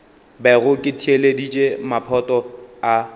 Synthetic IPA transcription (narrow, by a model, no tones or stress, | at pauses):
bɛɣʊkʼɪtʰieledit͡ʃʼemapʰɔtʼɔa